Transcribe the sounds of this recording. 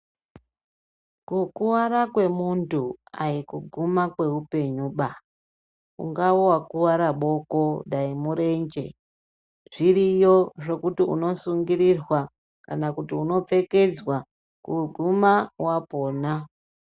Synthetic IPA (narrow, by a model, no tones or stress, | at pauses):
kukuwaɾakwe̞muntua̰ikuɡʱumakwe̞upe̞ɲuɓa | ṵŋɡawowakuwaɾaɓo̞ko̞ɗaimuɾe̞nd͡ʒe̞ | ʐ̥iɾijo̞ʐo̞kutiṵno̞suŋɡiɾirwa | kanakutiuno̞p͡fe̞ke̞d͡zwa | kuɡʱumawapo̞ːna